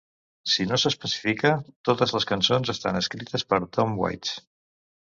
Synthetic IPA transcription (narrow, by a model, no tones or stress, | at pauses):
sinosəspəsi̥fikət̪ot̪əzləskənsonzəst̪a̰nəskɾit̪əspəɾt̪omwa̰jt̪s